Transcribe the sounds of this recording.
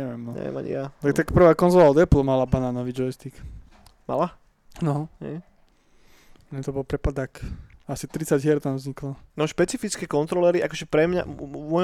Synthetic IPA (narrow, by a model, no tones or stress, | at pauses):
ɛʋɛmnɔnɛ̰ma̰ɲ̰jat̪akt̪akprʋakɔnzɔlald̪ɛplˠɔmalabananɔʋid͡ʒɔɛst̪ik | ma̰la | nɔɦɛ̰j | ɲɛt̪ɔbɔlpɾɛpad̪akasit̪ɾit͡saɟɦɪɛɾt̪amzɲiklɔnɔʃpɛt͡sifit͡skɛkɔnt̪ɾɔlɛɾiʔakɔʒɛpɾɛmɲa̰mɔ